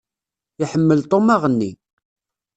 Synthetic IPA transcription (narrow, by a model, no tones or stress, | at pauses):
ɪħəmːəlt̪ˤomaʁənːi